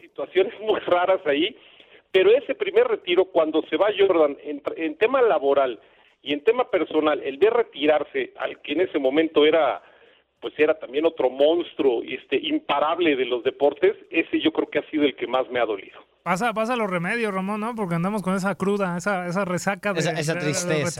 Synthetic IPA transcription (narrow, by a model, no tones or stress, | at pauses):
sit̪wasjo̞ne̞zmujraɾasai | pe̞ɾo̞e̞se̞pɾime̞ɾre̞t̪iɾo̞kwand̪o̞se̞βaʝoɾðanent̪ent̪e̞malaβo̞ɾal | ie̞nt̪e̞mape̞ɾso̞nale̞̰lβe̞re̞t̪iɾaɾse̞a̰lke̞ːne̞se̞mõ̞mẽnt̪o̞e̞ɾa | pwe̞se̞ɾat̪ambjeno̞t̪ɾo̞mõ̞nst̪ɾuest̪eʔimpaɾaβle̞ðe̞lo̞zðe̞po̞ɾt̪e̞se̞se̞ʝo̞kɾe̞okeasið̞o̞e̞lke̞mazme̞aðo̞lḭðo̞ | pas̬apas̬alore̞me̞ðjosramõ̞nːo̞p̬o̞ɾk̬eand̪amo̞s̬ko̞nes̬akɾuðaesaes̬are̞sakaðesesat̪ɾist̪e